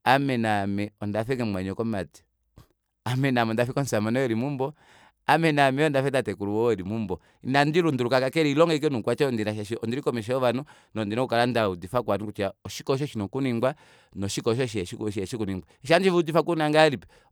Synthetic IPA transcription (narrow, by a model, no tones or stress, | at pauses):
amɛnamɛɔndafɛŋɛmwaɲɔkɔmati̥ | amɛnamɛɔndafikɔn̩samanɔjɛɾimumbɔ | amɛnamɛɔndafɛdatɛkuɾuwɔɛlimumbɔ | inandilundulukakakɛɾiilɔŋɡɛik̬ɛnukwat͡ʃɛɔndinaʃaʃiɔndiɾikɔmɛʃ̬ɛɔʋanu | nɔndinɔukalandaudifak̬wanukut͡ʃaɔʃikɔʃ̬ɔʃinɔkuniŋɡwa | nɔʃikɔʃ̬ɔʃ̬iɛʃikuʃiɛʃikuniŋɡwaʃand͡ʒivudifakunaŋɡalipɛ